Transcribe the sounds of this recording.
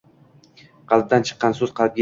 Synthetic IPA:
qɑlˠb̚d̪ant͡ʃʰɨ̥qːɑnsɵz̥qʰɑlˠɪp̚ɡʲa

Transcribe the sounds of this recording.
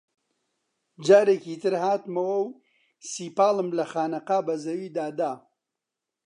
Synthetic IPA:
d͡ʒaːɾeːkiːt̪ɨɾhaːt̪mɐwɐw | siːpaːlɨmlɐxaːnɐqaːbɐzɐwiːd̪aːd̪aː

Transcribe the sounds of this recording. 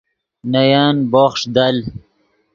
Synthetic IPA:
najaːnboːχʂd̪al

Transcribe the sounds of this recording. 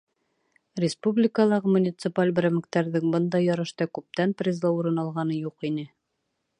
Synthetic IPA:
rʲɪspublʲɪkəlˠɑʁɤmunʲit̪sɨpalʲbɾɘmɘ̆kt̪æɾðɘŋbɤnd̪ɑjɒɾɤ̆ʃt̪ɑkʉp̚t̪ænprʲɪzlˠɑuɾɤnɑlˠʁɑnɤjuqinɘ

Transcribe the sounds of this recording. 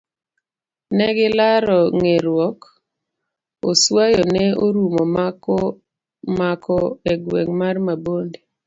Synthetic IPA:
nɛɡɪlaɾɔŋeɾwɔk | oswajɔnɛoɾumɔm | makʰɔɛɡwɛ̰ŋmarmabonde

